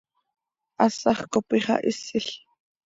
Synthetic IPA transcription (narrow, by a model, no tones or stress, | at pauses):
ʔɑsɑχkopiχɑ̰ʔɪsɪɬ